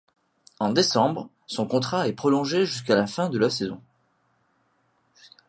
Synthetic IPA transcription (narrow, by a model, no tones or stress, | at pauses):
ɑ̃d̪esɑ̃bʁ | sɔ̃kɔ̃t̪χaɛpχɔlɔ̃ʒeʒys̬kalafɛ̃d̪əlasezɔ̰̃